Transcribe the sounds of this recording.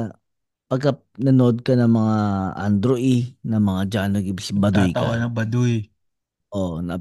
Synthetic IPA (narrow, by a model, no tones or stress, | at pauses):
pɐɡ̚ka | nɐnoʔod̪̚kɐnɐŋmɐŋaʔa̰nd̪ɾoʔinɐmɐŋad͡ʒanoɡɪsbɐd̪ujk̪awanɐbɐd̪uj | ʔonɐ